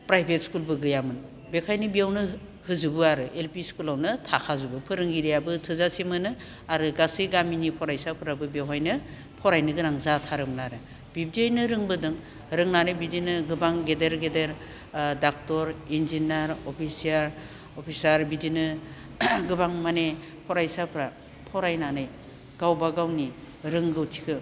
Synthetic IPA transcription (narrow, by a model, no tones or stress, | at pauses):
pɾajbʱet̚skulbɯɡɯjamɯn | bekʰajnɯbiawnɯ | hɯzubɯaɾɯʔelpiskulawnɯtʰakʰazubɯpʰɯɾɯŋɡiɾijabɯtʰɯzasimɯnɯ | aɾɯɡasiɡaminipʰɔɾajsapʰɯɾabɯbjawɦajnɯ | pʰɔɾajnɯɡɯɾaŋzatʰaɾɯmnaɾɯ | b̥ib̚diojnɯɾɯŋbɯdɯŋ | ɾɯŋnanɯjbidinɯɡɯbaŋɡedeɾɡedeɾ | dak̚tɔɾinzinaɾɔpʰisijaɾ | opʰisaɾbidinɯ | ɡɯbaŋmane | pʰɔɾajsapʰɯɾa | pʰɔɾajnanɯj | ɡ̥awbaɡawni | ɾɯŋɡɯwtʰi̥kʰɯ